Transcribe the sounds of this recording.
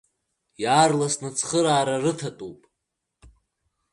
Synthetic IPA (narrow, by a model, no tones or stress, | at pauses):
jaːrlasnɨt͡sʰχəɾaːɾarɨtʰatʼupʼ